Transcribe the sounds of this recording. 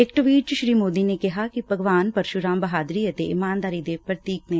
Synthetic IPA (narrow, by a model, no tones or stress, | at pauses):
ɪk̚ʈʋiːt͡ʃʃɾiːmoːd̪inekɪɦakibʱəɡʋaːnpɐɾʃuɾãːmbəɦaːd̪ɾiət̪eɪmaːnd̪aːɾid̪epɾət̪iːk̚nẽ